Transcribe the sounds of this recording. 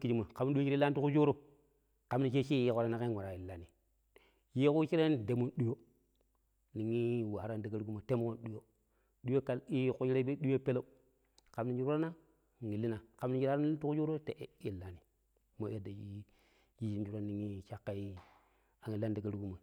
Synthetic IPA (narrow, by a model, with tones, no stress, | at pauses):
ki˦d͡ʒi˦mu˨ka˨m˦ɗu˦i˦i˦la˦ni˦u˦ku˦d͡ʒo˦ɾo˦ | ka˨m˦ni˦ʃ̬e˦ʃi˦ji˦ko˨ɾa˦na˨ka˦ŋʷa˨ɾa˨i˨lːa˨ni˨ | ji˦ku˦t͡ʃi˦ɾe˦n˦de˨mu˦nɗu˦jo˦ | ni˨ŋi˦wa˨ɾa˦nda˨ɡa˦ɾɡu˦ma˨te˦mo˦ko˦n˦ɗu˦jo˦ | ɗu˦jo˦ka˨li˦˨ku˦i˦ɾe˦be˦ɗu˦jo˦pe˦lo˦ | ka˨mni˨d͡ʒu˦ɾɾa˦na˦˨ | ŋi˨lːi˦na˨ka˨mni˦d͡ʒi˦ɾtu˦ku˦d͡ʒo˦ɾo˦te˨ʔi˨lːa˦ni˨ | mo˨˦e˦da˨ji˦ | ji˦ʃi˦n˦d͡ʒu˦ɾo˦ni˨ŋi˦ʃa˦kːa˨i˦ | a˨ŋi˨la˦nda˨ɡa˦ɾu˦ɡu˦ma˨